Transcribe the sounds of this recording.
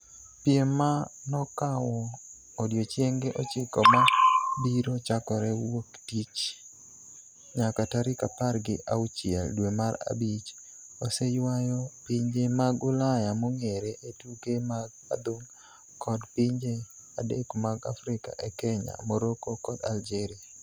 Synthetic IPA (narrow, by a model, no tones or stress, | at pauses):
pjemanɔkawɔː | djot͡ʃjeŋɡeʔɔt͡ʃɪkɔmabiɾot͡ʃakɔɾɛwoktit͡ʃ | ɲakataɾɪkaparɡɪʔaut͡ʃɪɛ̰ldwemaɾa̰bit͡ʃ | osejwajɔpɪɲd͡ʒemaɡʊlajamoŋeɾeʔetukemaɡa̰d̪oŋ | kʰɔdpiɲd͡ʒe | adekmaɡafɾɪka̰ʔɛkɛɲa̰moɾokokɔd̪a̰ld͡ʒeɾia